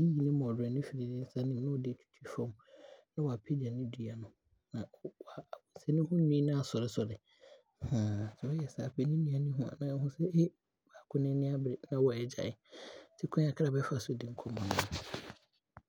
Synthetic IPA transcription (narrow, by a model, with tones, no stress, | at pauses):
i˦ji˨nɪ̃˦mɔ̃˨dɛ˨nɪ̃˦fi˨ɾi˨nɪ̃˦n̩˦sa˦nɪ̃˦˨˦nʊ̃˦ɔ˨dɪ˦˨t͡ɕʰu̥˦tʰi˦fɔ̃˦mnã˦wɔ˨a˨pʰe˦di˨a˨nɪ̃˦du˨a˨nʊ̃˨ | nã˨wa˨bʊ̃˨sɛ˦nɪ̃˦hʊ̃˦nĩ˦nã˦a˨sɔ˨ɾɪ˦sɔ˨ɾɪ˨ | hã˨sɛ˨ɔ˦jɛ˨sa˨a˨pʰɛ˨˦nɪ̃˦nĩ˨˦a˨nɪ̃˦ɦũ˦a̰˨nã˨ɛ˦hʊ̃˦sɛ˦e˦ | ba˨kʰʊ̃˦nɪ̃˦nɪ̃˦a˦bɾɪ˨nã˦wɔ˨ɛ˨d͡ʑa̰˨ɪ˨sʰɪ˦kʰʊ̃˦a˨kʰɾa˨bɛ˦fa˨sʊ˦˨dɪ̃˨ŋ̩˦kʰɔ̃˦mã˨nʊ̃˨